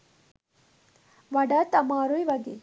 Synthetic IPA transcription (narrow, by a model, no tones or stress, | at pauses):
ʋɐɖɐt̪ɐmaːɾujʋɐɡe